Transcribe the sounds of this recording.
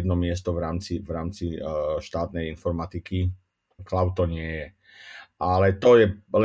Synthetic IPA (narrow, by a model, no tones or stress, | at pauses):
d̪nɔmɪɛst̪ɔʋɾaːmt͡sivɾaːmt͡siʃt̪aːt̪nɛjinfɔɾmat̪iki | klaʊt̪ɔɲɪɛjɛ | ʔalɛt̪ɔjɛl